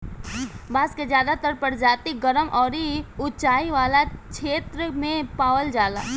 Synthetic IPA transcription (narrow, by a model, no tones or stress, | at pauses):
baːskezjaːd̪at̪əɾpəɾd͡ʒaːt̪iɡəɾəmʔɔːɾiʊt͡ʃaːiʋaːlakʰeːt̪ɾəmẽpaːʋəld͡ʒaːla̰ː